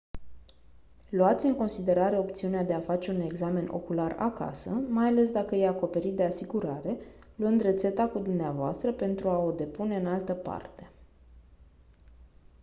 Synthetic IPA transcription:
luat̪sʲɨŋko̞nsid̪e̞ɾaɾe̞o̞p̚t̪siunead̪e̞afat͡ʃe̞une̞ɡzame̞nʔo̞̰kulara̰ka̰səmajale̞s̬d̪akəjejako̞pe̞ɾit̪̚d̪e̞asiɡuɾaɾe̞ | luɨnd̪re̞t̪se̞t̪akud̪umneavoa̰st̪ɾəpe̞nt̪ɾuao̞d̪e̞pune̞ɨnalt̪əpa̰rt̪e̞̥

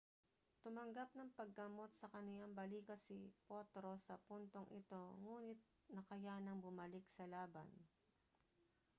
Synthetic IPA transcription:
t̪ʊmɐŋɡap̚nɐŋpɐɡːɐmo̞t̪̚sɐkɐnɪlaŋbɐliːkɐsipot̪ɾo̞sɐpunt̪oŋʔɪ̰t̪o̞ŋuːnɪt̪̚ | nɐkɐjanɐŋbʊmɐlɪksɐlaːbɐ̰n

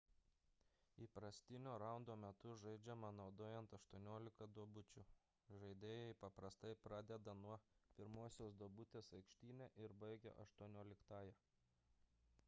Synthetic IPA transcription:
iːpɾɐsʲt̪ʲɪnʲoːɾɑˑʊnd̪oːmʲɛt̪ʊʒɐɪd͡ʒʲɛmɐnɒʊd̪oːjɛnt̪ɐʃt̪uɔnʲoːlʲɪkɐd̪uɔbʊt͡ʃʲʊ | ʒɐɪd̪ʲeːjɛɪpɐpɾɐst̪ɐɪpɾɑːd̪ʲɛd̪ɐnuɔpʲɪɾmuɔsʲoːsd̪uɔbʊt̪ʲeːsɐɪkʃʲt̪ʲiːnʲɛʔɪɾbɐɪɡʲɛ̰ʔɐʃt̪uɔnʲoːlʲɪkt̪ɑːjɛ

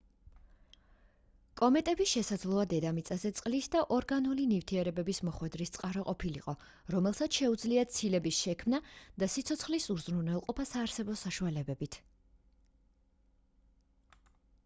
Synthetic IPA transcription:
kʼɔmɛt̪ʼɛbisʃɛsad̪zlˠɔad̪ɛd̪amit̪sʼazɛt̪sʼqʼlisd̪aʔɔɾɡanulinivt̪ʰiɛɾɛbɛbismɔχwɛd̪ɾist̪sʼqʼaɾɔqʼɔpʰiliqʼɔ | ɾɔmɛlˠsat̪sʃɛud̪zliat̪sʰilɛbisʃɛkʰmnad̪̥asit̪sʰɔt̪sʰχlisuɾzɾunɛlˠqʼɔpʰasaːɾsɛbɔsaʃualɛbɛbit̪ʰ

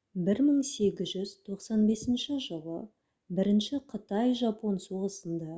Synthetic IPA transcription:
bɪɾməɴse̞ɡʲɪzʒʏz̥t̪ʰo̞qsɑnbe̞sɪnʃɪʒəlˠə̰ | bɪɾɪnʃɪqʰət̪ɑjʒɑponsoʁəsənd̪ɑ

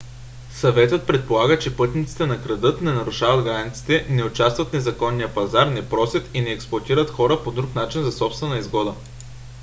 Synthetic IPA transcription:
sɐvɛt̪ət̪̚pɾɛt̪̚polˠaɡət͡ʃɛpɤt̪nit̪si̥t̪ɛnɐkɾɐd̪ɤt̪nɛnɐɾʊʃavəd̪ɡɾanit̪si̥t̪ɛnɛʊt͡ʃast̪vət̪nɛzɐkɔnːijəpɐzaɾnɛpɾɔsʲjət̪inɛːksplˠɐt̪iɾət̪xɔɾəpod̪ɾuknat͡ʃinzɐsɔpst̪vɛnɐizɡɔd̪ə

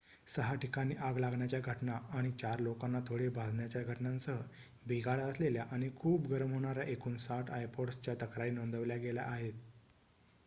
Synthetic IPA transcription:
səɦaʈikaɽ̃iːʔaɡlaɡɳjat͡ɕjaɡʱəʈnaːɽ̃it͡ɕaɾlokãnːat̪ʰoɽebʱad̪ɳjat͡ɕjaɡʱəʈɳãnt͡səɦə | bʱiɡaɭəsleljaʔaɽ̃ikʰuːbɡəɾəmɦoɽ̃aɾjaʔekʰuːnsaʈʰajpoɽst͡ɕjat̪əkɾaiːnond̪əʋljaɡela̰ʔaɦet̪̚

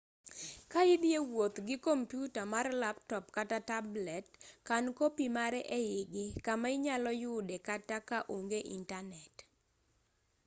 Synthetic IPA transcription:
kaɪdjewot̪ɡɪkompjutamarlap̚tɔpkatatablɛtkankopimaɾɛʔɛɪɡɪkamaɪɲalɔjʊdekatakaʔoŋɡeʔḭntanɛt

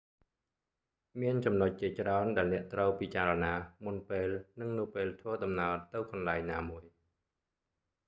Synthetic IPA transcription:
miənt͡ɕɑmnoc̚t͡ɕiət͡ɕraɔnɗaɛlnɛ̆əʔt̪rəwpiːt͡ɕaːɾɔnaːmunpeːlnɨŋnɨwpeːlt̪ʰʋəːɗɑmnaəlt̪ɨwkɑnlaɛɲnaːmuəj

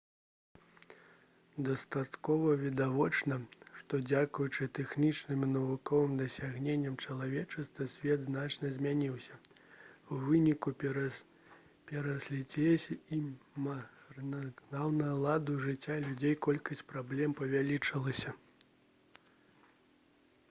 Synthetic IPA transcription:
d̪ɐst̪at̪kɔvɐvʲid̪avɔt͡ʂnɐʂt̪ɔd͡zʲakujut͡ʂɨt̪ɛxnʲit͡ʂnɨmnɐvukɔvɨmd̪ɐsʲaɣnʲenʲːɐmt͡ʂɐlˠavʲɛt͡ʂɐst̪vɐsʲvʲɛd̪znat͡ʂnɐzʲmʲanʲiwsʲɐ | wvɨnʲiku | pʲɛɾɐsʲlʲit͡sʲɛsʲimnnawnɐɐlˠad̪uʐɨt͡sʲːalʲud͡zʲejkɔlʲkɐsʲt͡sʲpɾablʲɛmpɐvʲalʲit͡ʂɐlˠɐsʲɐ

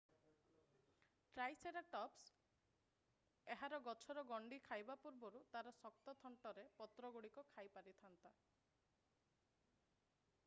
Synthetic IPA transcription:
ʈɾajseɾaʈɔps | eɦaɾɔɡɔt͡ʃʰɔɾɔɡɔɳɖikʰajbapuɾbɔɾut̪aɾɔsɔk̚t̪ɔt̪ʰɔɳʈɔɾepɔt̪ɾɔɡuɽikɔkʰajpaɾit̪ʰant̪a

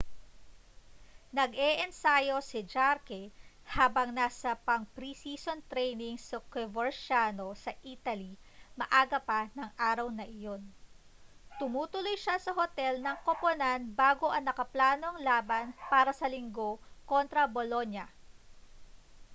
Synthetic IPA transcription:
nɐɡɛʔɛnsajo̞sɪd͡ʒaɾkɛ | haːbɐŋnasɐpɐŋpɾisiːsont̪ɾɛjnɪŋsʊkɛvoɹʃano̞sɐʔiːt̪ɐli | mɐ̰ʔaːɡɐpɐnɐŋʔaːɾɐwnɐʔɪjo̞n | t̪ʊmuːt̪ʊlojʃasɐɦot̪ɛlnɐŋkoponanbaːɡo̞ʔɐŋnɐkɐplaːno̞ŋlaːbɐnpaːɾɐsɐlɪŋɡo̞ko̞nt̪ɾɐbolo̞njɐ

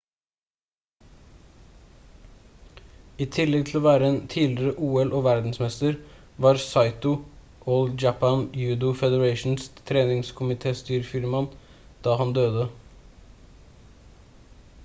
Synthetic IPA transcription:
iːt̪ʰɪlɛɡt̪ʰl̩oːʋæːɾəeːnt̪ʰiːlɪɾəʔuːɛlʔoːʋæɾd̪n̩smɛst̪əɾ | ʋɑːɾsɑɪt̪ʊ | ʔoːld͡ʒɑpʰɑnjʉːd̪ʊfɛd̪əɹɑɪʃn̩st̪ʰɾeːnɪŋskʰʊmɪt̪ʰeːst̪yːɾfɪɾmɑn | d̪̥ɑːhɑnd̪øːd̪ə

